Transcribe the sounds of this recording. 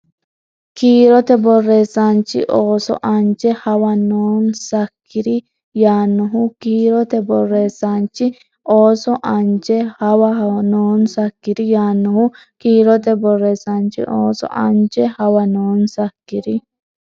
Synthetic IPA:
kiːɾɔt̪ɛbɔrːeːsːant͡ʃːɪ̰ʔoːsɔ̰ʔɐnt͡ʃɛhɐwɐnoːnsɐkʰːɪɾɪ | jaːnːɔɦʊkiːɾɔt̪ɛbɔrːeːsːant͡ʃːɪ | oːsɔʔɐnt͡ʃɛhɐwɐɦnoːnsɐkːɪdɪjaːnːɔhʊ | kiːɾɔt̪̬ɛbɔrːeːsant͡ʃːɪ̰ʔoːsɔ̰ʔɐ̰nt͡ʃɛhɐwɐnoːnsɐkːɪɾɪ

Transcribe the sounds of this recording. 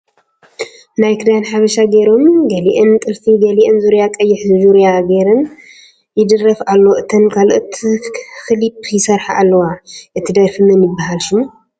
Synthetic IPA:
najkʰɨd̪ajnħaβɐʃaɡeɾo̞mɡɐliʔɨnt̪ʼɨltʰiɡɐliʔɨnzuɾjakʼɐjːɪħzɨzuɾjaɡeɾɨn | jɪd̪ɨrːɐfalːo̞ʔɨt̪ʰɐnkʰaloʔot̪ʰxɨlipʰjɪsɐɾħaʔalːɐwaʔɨt̪ʰid̪ɐɾfɨnɨmɪbːahalʃum

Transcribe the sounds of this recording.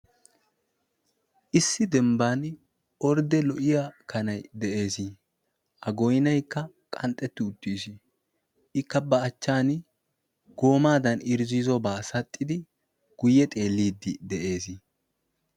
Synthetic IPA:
ʔɪsːɪd̪ɛmbaːn | ɔɾd̪ɛlɔʔɪjakʰɐnɐjd̪ɛʔe̞ːsi | ʔɐɡɔjnɐjkːɐ | kʼɐnt̪ʼːɛt̪ːɪʊt̪ːiːsɪ | ɪkːɐbɐːt͡ʃːaːn | ɡ̥o̞ːmaːd̪ɐnɪɾziːzɔbaːsɐt̪ʼːɪd̪ɪ | ɡ̥ʊjːɛt̪ʼe̞ːlːiːd̪ːɪd̪ɛʔe̞ːsi

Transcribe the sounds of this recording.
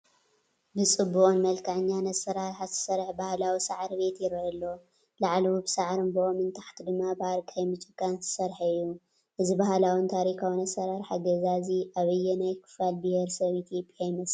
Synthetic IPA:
bɨt͡sʼɨbːuʔʼunmɐlkʰaʕɲːanɐsɐɾaɾħazɨ̥sɐɾħbahlawisaʕɾbe̞t̪jɪɾɐɐlːo | laʕlwubɨsaʕɾɨnbɨʔomɨnt̪ʰaħt̪ʰid̪ɨmːabaɾkʼʰajmɨt͡ʃʼɨkʼːanzɨ̥sɐɾħaɨjːu | ʔɨzibahalawɨnt̪ʰaɾikʰawnɐsɐɾaɾħaɡɐzaziʔaβɨjːɛnajkʰɨ̥falbiheɾsɐβit̪ʰjo̞pʼjajmɐs

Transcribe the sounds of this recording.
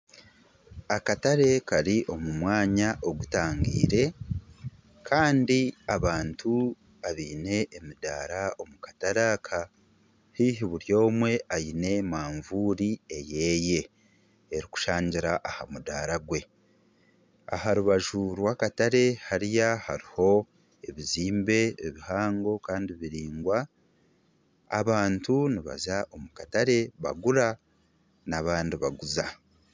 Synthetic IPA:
akataɾe̞kaɾiʔo̞mumwaːɲaʔo̞ɡutaːŋɡḭːɾe̞ | kʰaːndiaβaːntʰu | βaβiːne̞ːmuda̰ːɾao̞mukḁtaɾakʰa | hiːɦiβuɾjo̞ːmwe̞ajine̞maːɱvuːɾie̞je̞ːje̞ː | ɾiku̥ʃaːɲɟiɾaʔahamudaːɾaɡwe̞ | a̰ɦaɾuβaʒuɾwaːkataɾe̞haɾijahaɾiho̞ | e̞βiziːmbe̞eβihaːŋɡo̞kaːndiβiɾiːŋɡwa | βaːntuniβa̰zaʔomukataɾe̞βa̰ɡuɾa | naβaːndiβaɡuza

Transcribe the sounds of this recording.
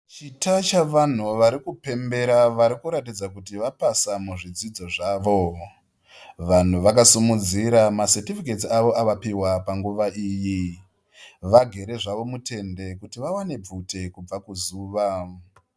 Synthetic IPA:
t͡ʃitat͡ʃaʋan̤uʋaɾikupe̞mbe̞ɾaʋaɾikuɾatid͡zakutiʋapasamuʐid͡zid͡zo̞ʐaːʋo̞ | ʋan̤uʋakasumud͡ziɾamasetifike̞tiaʋo̞aʋapiwapaŋɡuʋaʔiːji | ʋaɡʱe̞ɾe̞ʐaʋo̞mute̞nde̞kutiʋawane̞b͡vute̞kub͡vakuzuːʋa

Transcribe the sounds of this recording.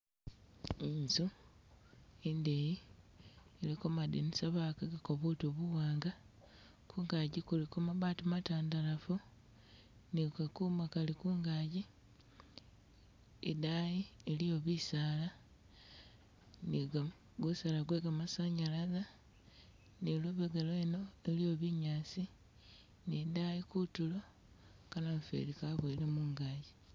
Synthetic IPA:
inzu | endeji | elikomadenisaβakaɡakoβutoβuɣaːŋɡa | kʰuːŋɡaɟikulikomaβaːtumataːndalafu | nikakuːmakalikuːŋɡaːɟi | edajielijo̞βisaːla | niɡa | ɡusalaɡweɡamasaɲalaza | niloβeɡelweno̞elio̞βiɲaːsi | nedajikutulo̞ | kanaɱfḛlikaβoilemuŋɡaːɟi

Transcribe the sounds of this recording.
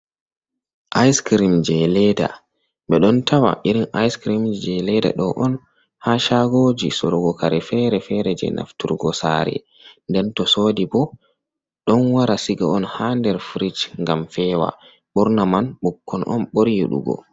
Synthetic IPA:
ʔajskɾimd͡ʒɛlɛda̰ | ɓɛɗɔntʰawa̰ʔiɾinajskɾimd͡ʒɛlɛda̰ɗɔʔɔn | haʃaɡoːd͡ʒisɔɾɔɡɔkaɾɛfɛɾɛfɛɾɛd͡ʒɛ̰nʔa̰ftuɾɡɔsa̰ɾɛ̰ | ndɛntɔsoːdibɔ | ɗɔnwaɾasiɡaɔnhandɛɾfɾit͡ʃŋɡamfɛːwa̰ | ɓɔɾnamanɓukʰːɔnʔɔ̰nɓoɾjiɗṵɡɔ̰

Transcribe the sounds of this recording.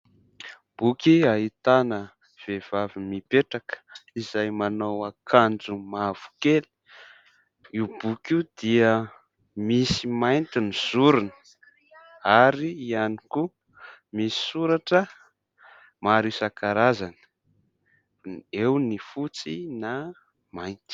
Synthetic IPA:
b̥ukiaɦit̪anə | v̥ev̥avimipeʈ͡ʂakə̥izajmanowakʰand͡zumav̥u̥keli̥ | iwbukid̪̥iə | misimajnt̪iniz̥uɾunə̥ | aɾiːaniku | misi̥suɾaʈ͡ʂə | maɾisakaɾazanə̥ | ewnifut͡sina | majnt̪i̥

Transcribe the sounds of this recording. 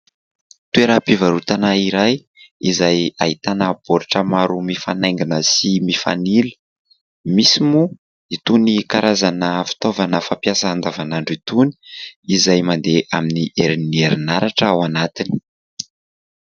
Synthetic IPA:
t̪ueɾapivaɾut̪anaiɾaj | izaja̰it̪anəb̥oɾaʈ͡ʂəmaɾumifa̰najŋɡinəsimifa̰nili̥ | misimu | it̪unikaɾazanəfi̥t̪ovanəfampjasəand̪avanaɳɖ͡ʐit̪uni̥izajmand̪eʔaminiʔeɾinieɾinaɾaʈ͡ʂəawanat̪ini̥

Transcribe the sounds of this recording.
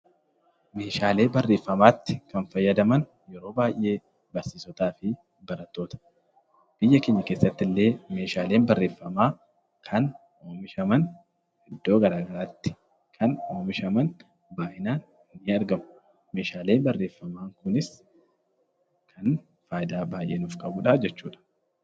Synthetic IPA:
me̞ːʃaːle̞ːbɐrːe̞ːfːɐmaːt̪ːɪ̥kɐnfɐjːɐd̪ɐmɐn | jɛɾo̞ːbaːjʔːe̞ː | bɐɾsiːsɔt̪aːfɪ | bɐɾɐt̪ːo̞ːt̪ɐ̥ | b̥ɪjːɐkeːɲːɐke̞ːsːɐt̪ːɪlːe̞ːme̞ːʃaːle̞ːnbɐrːe̞ːfːɐmaː | kʰɐn | oːmɪʃɐmɐn | ɛd̪ːo̞ːɡɐɾaːɡɐɾaːt̪ːɪ̥ | kʰɐnoːmɪʃɐmɐn | baːʔɪnaːn | ɪnɪɐɾɡɐmʊ | me̞ːʃaːle̞ːnbɐrːe̞ːfːɐmaːŋkʊnɪs | kʰɐn | faːjɪd̪aːbaːjʔe̞ːnʊfkʼɐbʊᶑaːd͡ʒɛt͡ʃːuːᶑɐ̥

